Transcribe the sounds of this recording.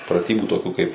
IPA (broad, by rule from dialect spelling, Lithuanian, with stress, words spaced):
prɐˈtʲiːbuː toːˈkʲuː kɐɪp